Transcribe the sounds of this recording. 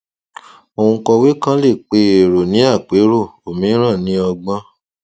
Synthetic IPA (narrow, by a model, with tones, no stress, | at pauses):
o˧ũ˧kɔ˧we˦kã˦le˦˨k͡pe˧e˨ɾo˨nĩ˨˦a˦˨k͡pe˨˦ɾo˦˨o˨mĩ˨˦ɾ̃ã˦˨nĩ˨˦ɔ˧ɡ͡bã˧˦